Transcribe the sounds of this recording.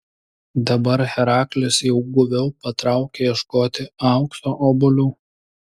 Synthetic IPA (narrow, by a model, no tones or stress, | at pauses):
d̪ɐbɐɾxʲɛɾɑːklʲɪsjɛʊɡʊʋʲɛʊpɐt̪ɾɑˑʊkʲejɛʃkoːt̪ʲɪɑˑʊksoʔoːbʊlʲuː